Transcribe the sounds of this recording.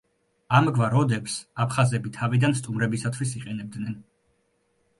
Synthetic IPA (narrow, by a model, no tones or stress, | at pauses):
amɡvaɾɔd̪ɛpsapʰχazɛbit̪ʰavid̪anst̪ʼumɾɛbisat̪ʰwisiqʼɛnɛb̚d̪nɛn